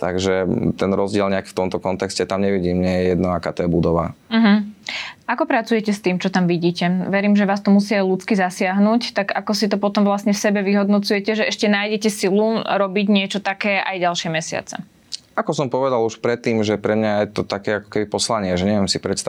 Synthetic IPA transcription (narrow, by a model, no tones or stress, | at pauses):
t̪aɡʒɛt̪ɛnɾɔzɟɪɛlɲɛakft̪ɔmt̪ɔkɔnt̪ɛkscɛt̪amɲɛʋiɟiːmɲɛɛjɛjɛd̪nɔakaːt̪ɔjɛbud̪ɔʋa̰m̩ɦ̩ | akɔpɾat͡sujɛcɛst̪iːmt͡ʃɔt̪amʋiɟiːcɛʋɛɾiːmʒɛʋaːst̪ɔmusiːajlut͡skizasɪaɦnuːct̪aɡakɔsit̪ɔpɔt̪ɔmʋlasɲɛfsɛbɛʋiɦɔd̪nɔt͡sujɛcɛʒɛɛʃcɛnaːjɟɛcɛsiluɾɔbiɟɲɪɛt͡ʃɔt̪akɛːʔajɟalʃɪɛmɛsɪa̰t͡sɛ̰ | akɔsɔmpɔʋɛd̪aluʃpɾɛt̪ːiːmʒɛpɾɛmɲajɛt̪ɔt̪akɛːakɔ̥kɛbipɔslaɲɪɛʒɛɲɛʋɪɛmsipɾɛs